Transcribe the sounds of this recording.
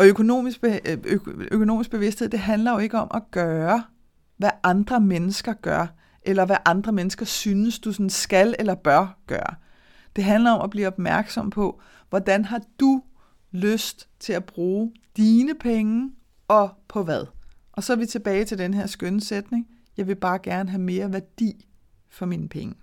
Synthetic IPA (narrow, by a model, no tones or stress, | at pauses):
ʔɒ̽økʰo̝no̝̰ːmis | økʰo̝no̝ːmisɡ̥̚b̥e̝ʋe̝sd̥he̝ð̰ˠd̥e̝ɦænlɐjo̝e̝ɡ̥əɒ̽mʔæɡ̥ɶːɐ | ʋæʔɑ̈nd̥ʁɐmenəsɡ̥ɐɡ̥ɶɐ̰ | ʔelɐʋæʔɑ̈nd̥ʁɐmenəsɡ̥ɐsyːnəsd̥usɒnsɡ̥ælelɐb̥ɶɐɡ̥ɶ̰ːɐ | d̥e̝ɦænlɐɒ̽mʔæb̥liːɒ̽b̥mæɐɡ̥sɒ̽m̰pʰɒ̽ | ʋɒd̥ænɦɑ̈d̥u | løsd̥t͡sʰe̝læb̥ʁuːd̥iːnəpʰeŋə | ɒ̽pʰɒ̽ʋæðˠ | ʔɒ̽sɒ̽ʋit͡sʰe̝b̥ɛːɪt͡sʰe̝ld̥enɦeɐ̰sɡ̥ønəsed̥ne̝ŋ | jɑ̈ɪʋe̝b̥ɑ̈ːɡ̥æɐnəɦæme̝ːɐʋæɐd̥ḭː | fɒ̽minpʰeŋə